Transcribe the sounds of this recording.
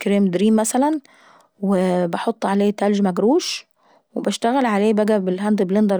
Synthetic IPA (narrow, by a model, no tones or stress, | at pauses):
kɾeːmd̪ɾiːmːæsælæn | webɑħot̪ˤːʕaleːt̪æld͡ʒmæɡɾuːʃ | webæʃt̪æɣælʕaleːbæɡæbelɦænd̪blend̪ɑɾ